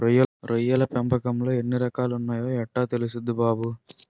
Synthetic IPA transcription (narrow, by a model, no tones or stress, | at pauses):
ɾɔjːɐɾʔɔjːɐlɐpɛmbɐkɐmlɐɛnːɯɾɐkːaːlɯnːaːjoːɐʈːaːt̪ɛlɯsɯd̪ːɯbaːbɯ